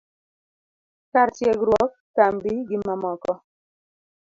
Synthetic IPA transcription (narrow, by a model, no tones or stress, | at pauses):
kaɾt͡ʃjeɡɾwɔkːambiɡɪmamɔkɔ